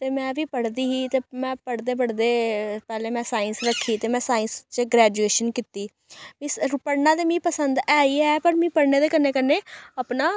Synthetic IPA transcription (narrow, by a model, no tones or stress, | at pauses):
t̪eːmɛ̃ːʋiːpəɽd̪iːɦiːt̪eːmɛ̃ːpəɽd̪eːpəɽd̪eːpɛːlẽːmɛ̃ːsaːɪnsɾəkʰːiːt̪eːmɛ̃ːsaːɪnst͡ʃɡɾɛːd͡ʒueːʃənkɪt̪iː | bĩːspəɽnãːd̪eːmĩːpəsənd̪ɛːiːɛːpəɾmĩːpəɽneːd̪eːkəneːkənːeːəpnaː